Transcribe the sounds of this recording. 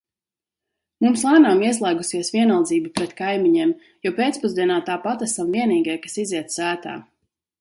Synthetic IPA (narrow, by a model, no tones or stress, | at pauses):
mumslˠaːnaːmiɛslˠɛːɡusiɛsviɛnalˠd̪ziːbipɾɛt̪kajmiɲɛɛm | jɔpʲeːt̪spuzd̪iɛnaːt̪aːpat̪æsamviɛniːɡajkasiziɛt̪sæːt̪a̰ː